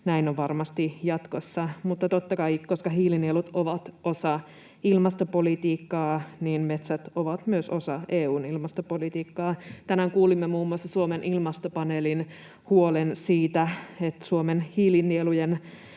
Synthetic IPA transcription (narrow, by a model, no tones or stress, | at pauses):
næinoʋʋɑrmɑst̪ijɑt̪kosːɑmut̪ːɑt̪ot̪ːɑkɑikoskɑɦiːlinielut̪oʋɑt̪o̞sɑ | ilmɑst̪opo̞lit̪iːkːɑːniːnme̞t̪sæt̪oʋɑt̪myøso̞sɑʔeːuːnilmɑst̪opolit̪iːkːɑːt̪ænæŋkuːlimːemuːmːuɑsːɑsuomenʔilmɑst̪opɑnelin | huolensiːt̪æet̪suomenhiːlinːielujen